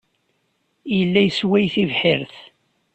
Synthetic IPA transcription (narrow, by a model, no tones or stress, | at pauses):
jəlːæjəswæjθivħɪɾθ